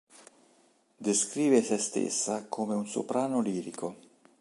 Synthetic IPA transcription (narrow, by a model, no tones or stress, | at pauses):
d̪eskɾiːvesest̪ḛsːakʰoːmeunso̰pɾaːnoliːɾiko